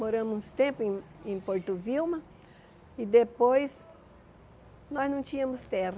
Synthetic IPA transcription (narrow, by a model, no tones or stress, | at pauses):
moɾɐ̃mʊ̃st̪ẽmpʊẽẽj̃poɾt̪ʊviwmɐ | ɪd̪epojs | nɔznɐ̃w̃t͡ʃĩɲɐmʊst̪ɛhɐ